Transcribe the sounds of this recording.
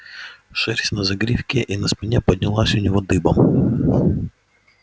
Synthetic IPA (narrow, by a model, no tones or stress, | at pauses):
ʂɛɾʲsʲnɐzɐɡɾʲifkʲɪʔinɐspʲɪnʲepədʲnʲɪlˠasʲʊnʲɪvod̪ɨbəm